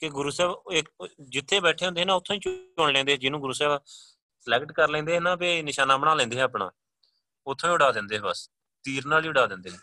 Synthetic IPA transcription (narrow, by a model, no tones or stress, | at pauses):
kɪɡʊɾuːsɛːbɪkd͡ʒɪt̪ʰːeːbɛːʈʰeːɦõnd̪eɦːnãːʊt̪ʰːõːĩːt͡ʃoːnlɛ̃ːnd̪eːɦɛːd͡ʒɪnũːɡʊɾuːsɛːb | slɛːkʈkəɾlɛ̃ːnd̪eːɦɛnãːpeːnɪʃaːnaːbənaːlɛ̃ːnd̪eːɦɛ̃ːpɳa̰ː | ʊt̪ʰːõːĩːʊɽaːd̪ɪ̃ːnd̪eːɦɛbəs | t̪iːɾnaːliːʊɽaːd̪ɪ̃ːnd̪eːɦɛː